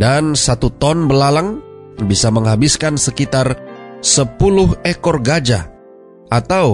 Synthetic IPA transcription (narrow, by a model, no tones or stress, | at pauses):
dansat̪ut̪ɔnbəlalaŋ | bisaməŋɦabiskansəkit̪arsəpulʊhekɔrɡad͡ʒa | at̪aw